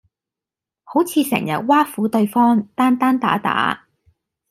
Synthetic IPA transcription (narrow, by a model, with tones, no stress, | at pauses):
ho˨˥wt͡sʰiː˧sɛ̰˨˩ŋjɐ̰˨t̚waː˥fuː˨˥t̪ɵ˧ɥfɔː˥ŋt̪aː˥nt̪aː˥nt̪a̰ː˨˥t̪a̰ː˨˥